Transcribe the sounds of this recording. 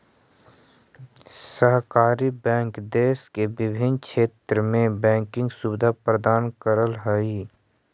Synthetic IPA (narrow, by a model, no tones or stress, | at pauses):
səɦkaːɾibɛ̃ːŋkd̪eːskebɪbʱɪnkʰeːt̪ɾəmẽbɛ̃ːŋkɪ̃ŋɡsuːbɪd̪ʱapɾəd̪aːnkəɾəlɦɛi